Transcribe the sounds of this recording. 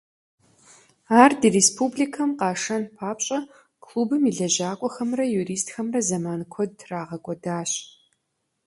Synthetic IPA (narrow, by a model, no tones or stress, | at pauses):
aːrdireːspʰubɮikʰɐmqɑːʂɐnpʰaːpɕʼɐ | kʰluːbɨmiɮɐʑaːkʷʼɔxɐmrɐjuɾiːstxɐmrɐzɐmaːnkʷʰɔdraːʁɐkʷʼɔdaːɕ